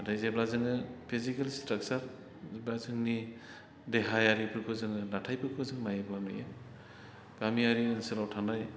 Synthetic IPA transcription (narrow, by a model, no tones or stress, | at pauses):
dajzeblazɯŋɯpʰizikelstɾak̚t͡ʃaɾ | blazɯŋni | deɦajaɾipʰɯkʰɯzɯŋɯnatʰajpʰɯkʰɯzɯŋmajeblanɯ̰jɯ | ɡ̥amiaɾiɯnsɯlawtʰandaj